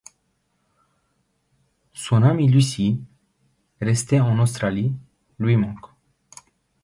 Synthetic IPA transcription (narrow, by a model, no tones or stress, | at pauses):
sunamilysi | ɾest̪eɔ̃nɔst̪ɾali | lwimɔ̃ŋk